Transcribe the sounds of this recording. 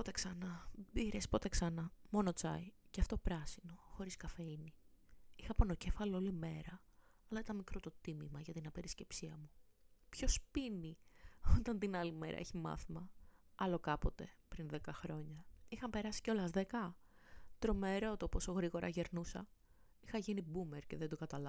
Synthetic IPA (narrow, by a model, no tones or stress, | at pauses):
pot̪e̞ksɐnɐbiɾespo̞t̪e̞ksɐnɐmo̞no̞t͡sɐ̰iceɐft̪o̞pɾɐsino̞xo̞ɾiskɐfe̞iniixɐponoce̞fɐloolime̞ɾɐ | ɐlɐit̪ɐnmikɾo̞t̪o̞t̪imimɐʝɐt̪inɐpe̞ɾisce̞psiɐmupço̞spiniot̪ɐnt̪inɐlime̞̰ɾʔɐ̰eçimɐ̰θimɐɐlo̞kɐpo̞t̪e̞pɾinðe̞kɐxɾo̞ɲɐixɐmpe̞ɾɐsi̥ceo̞lɐzðe̞kɐ | t̪ɾo̞me̞ɾot̪opo̞so̞ɣɾiɣo̞ɾɐ̰ʝe̞ɾnusɐ̰ | ixɐʝinibumeɾce̞ðend̪oɡɐt̪ɐlɐ